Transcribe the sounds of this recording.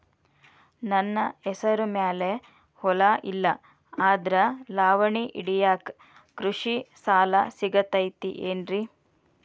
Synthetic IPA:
nɐnːɐɛsɐɾumeːle | hɔlɐʔilːɐ | aːd̪ɐɾɐlaːʋɐɳiʔiɽijaːk | kɾuʂisaːlɐ̰siɡɐt̪ɐjt̪ḭʔeːnɾi

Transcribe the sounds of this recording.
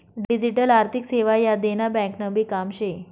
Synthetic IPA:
ɖid͡ʑiʈəlaɾt̪ʰikseʋajad̪enabɛ̃knəbiːkamɕe

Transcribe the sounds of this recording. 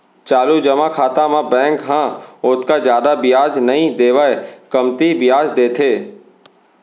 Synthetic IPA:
t͡ʃaːlud͡ʒəmakʰaːt̪amãbɛ̃ːŋkɦãʊt̪kazjaːd̪abɪjaːd͡ʒnɐɦĩd̪eːʋaekəmt̪ibɪjaːd͡ʒd̪eːt̪ʰeː

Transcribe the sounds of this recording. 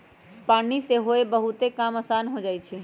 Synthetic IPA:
paːniseɦoebəɦʊt̪ekaməsanɦod͡ʒaːjt͡ʃʰi

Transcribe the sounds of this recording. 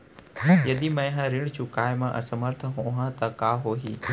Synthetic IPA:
jɐd̪imɐ̃jɦãɾɪɽ̃t͡ɕʰʊkaːjmãʔə̰sɐməɾt̪ʰəɦõɦãt̪ɐkaːɦoːɦiː

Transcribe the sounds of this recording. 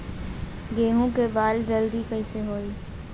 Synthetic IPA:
ɡeːɦũkebaːld͡ʒəld̪ikəɪseɦoːiː

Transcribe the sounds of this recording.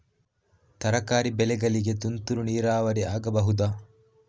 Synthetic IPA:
t̪ɐɾɐkaːɾibɛlɛɡɐliɡe̞t̪unt̪uɾuniːɾaːʋɐɾiaːɡɐbɐɦud̪aː

